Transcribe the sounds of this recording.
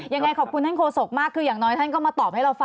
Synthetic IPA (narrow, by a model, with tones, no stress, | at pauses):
ja˧ŋa˧jkʰɔː˨˩p̚kʰu˧nt̪ʰa˥˩kʰoː˧so˨˩k̚maː˥˩kʰːɯː˧jaː˨˩ŋnɔː˦˥jt̪ʰa˥˩nk̬ɔ˥˩maː˧t̪ɔː˨˩p̚ha˥˩ɾa˧wfa˧